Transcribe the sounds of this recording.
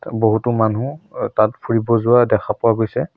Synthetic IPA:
boɦutʊmanutatpʰuɹibɔzʊwadɛkʰapʊwaɡojsɛ

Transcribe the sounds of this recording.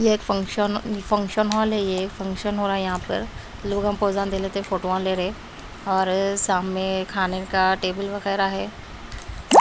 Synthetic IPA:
jeeːkfɐ̃ŋkʃənfɐ̃ŋkʃənɦɔːalɦɛjeeːkfɐ̃ŋkʃənɦoːɾaːɦɛjɐɦãpə̰ɾ | loːɡãmpoːzãnd̪eːleːt̪eɦɛ̃fʰoːʈoãleːɾɦẽ | ɔːɾsaːmːẽkʰaːnekaʈeːbəlʋɐɣɛːɾaɦɛː

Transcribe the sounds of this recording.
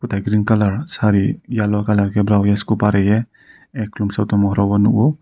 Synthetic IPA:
kut̪ʰajɡɾinkalaɾsaɾijalɔkalaɾkɛbɾawjaskupaɾɛjɛ | ɛkʰːlumsawtɔmɔɦɾɔbɔnuʔu

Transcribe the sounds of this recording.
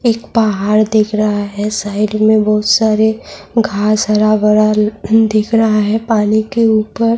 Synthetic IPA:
eːkpaɦaːɾd̪eːkʰɾɐɦaɦɛsaːɪlmẽbɐɦʊt̪saːɾeɡʱaːsəɾabəɾad̪eːkʰɾɐɦaɦɛpaːnikeuːpəɾ

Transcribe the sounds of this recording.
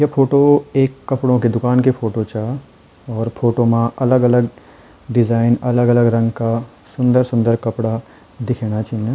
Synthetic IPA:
jɐpʰoːʈoeːkːɐpɽõked̪ʊkaːnkepʰoːʈot͡ʃa | ɔːɾpʰoːʈomãʔɐləɡɐləɡ | ɖɪd͡ʒaːɪnɐləɡɐləɡɾɐ̃ŋɡka | sʊ̃nd̪əɾsʊ̃nd̪əɾkɐpɽa | d̪ɪkʰeːñat͡ʃaːɦija

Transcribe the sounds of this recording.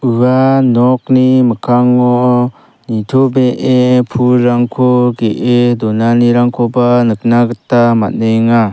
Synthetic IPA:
ɯɡanɔk̚niməkʰaŋɔ | nitʰobeʔepʰuɾaŋkʰɔɡeʔedɔnaniɾaŋkʰɔbanɯk̚naɡətama̰t̚nɯjŋa

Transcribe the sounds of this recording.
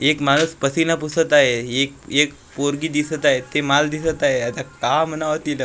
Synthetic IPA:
ekmañuspəsinapusət̪aɦeekek | poɾɡiːd̪isət̪aɦet̪emald̪isət̪aɦeət̪akamənaʋot̪ilə

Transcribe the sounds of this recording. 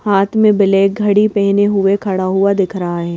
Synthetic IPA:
haːt̪ʰmẽbɪleːk̚ɡʱɐɽipɛɦneɦʊekʰɐɽaɦʊad̪ɪkʰɾɐɦaɦɛː

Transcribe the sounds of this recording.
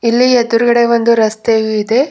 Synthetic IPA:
ilːied̪uɾuɡɐɽe̞ʋond̪uɾɐst̪eʋuid̪e

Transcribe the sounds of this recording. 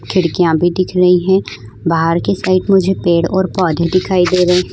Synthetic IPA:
kʰɪɽkijãbʱid̪ɪkʰɾɐɦiɦɛ̃ː | baɦəɾkesaːɪʈmʊd͡ʒʱepeːɽɔːɾpɔːd̪ʱed̪ɪkʰaːid̪eːɾi

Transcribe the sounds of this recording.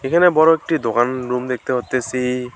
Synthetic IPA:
ekʰanɛbɔɹɔek̚ʈid̪okanɹumd̪ek̚t̪ɛɦot̪ːesi

